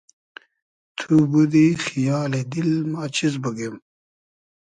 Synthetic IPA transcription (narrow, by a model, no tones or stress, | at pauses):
t̪ʰubud̪ixijaːled̪ilmaːt͡ɕizbɐɡem